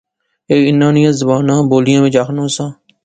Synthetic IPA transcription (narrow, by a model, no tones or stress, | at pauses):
eːkɪnːãːnɪjãːzəbaːnãːboːlɪjãːʋɪd͡ʒaːkʰnõːsãː